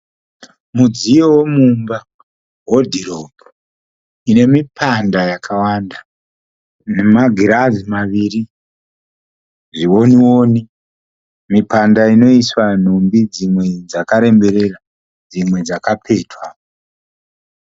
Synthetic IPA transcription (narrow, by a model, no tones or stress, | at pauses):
mud͡zijowemumba | ɦodʱiɾobo | ine̞mipʰandajakʰawanda | ne̞maɡʱiɾazimaʋiːri | ʐiwo̞niwo̞ːni | mipandaino̞iswan̤ombid͡zimwe̞d͡zakaɾe̞mbe̞ɾe̞ra | d͡zimwe̞d͡zakapʰe̞ːtwa